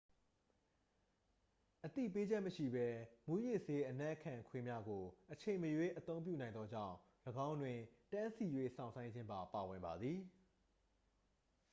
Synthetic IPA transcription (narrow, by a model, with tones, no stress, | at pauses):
ʔət̪ḭ˦˨p̬e˦d͡ʑɛ˦ʔməʃḭ˦˨bɛ˦mu˦jɪ˦˨ʔse˦ʔənɛ˦ʔkʰã˨ŋkʰwɪ̃˦mja˦ɡo˨ʔət͡ɕʰẽ˨ɪ̃məjwe˦˨ʔət̪õ˦ʊ̃mp̬jṵ˦˨nã˨ɪ̃nd̪ɔ˦d͡ʑã̰˦˨ʊ̃ | ləɡã˦ʊ̃ndwɪ̃˨tã˦nsi˨jwe˦˨sʰã̰˨ʊ̃sã˦ɪ̃ɲd͡ʑɪ̃˦mba˨pa˨wɪ̃˨mba˨d̪ði˨